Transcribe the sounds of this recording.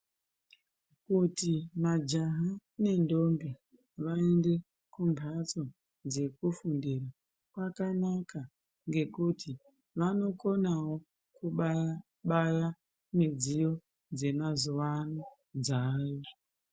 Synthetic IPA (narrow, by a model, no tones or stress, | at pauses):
kutimad͡ʒaɦane̞ndo̞mbi | ʋaende̞ | kumbʱat͡so̞ | d͡ze̞kufundiɾa | kwakanaka | ŋɡe̞kutʰi | ʋano̞ko̞nawo̞ | kuɓ | ɓaja | mid͡zijo̞ | d͡ze̞mazuʋano | d͡zaːjo